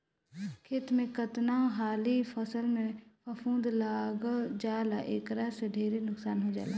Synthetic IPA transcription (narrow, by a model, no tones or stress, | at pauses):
kʰeːt̪mẽkət̪naɦaːlipʰəsəlmẽpʰəfũːd̪laːɡd͡ʒaːlaʔeːkɾaseɖʱeːɾenʊksaːnɦod͡ʒa̰ːlaː